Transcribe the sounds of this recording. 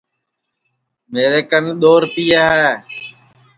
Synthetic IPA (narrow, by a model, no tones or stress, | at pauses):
meːɾeːkənɗ̪oːɾpiːaːɦɛː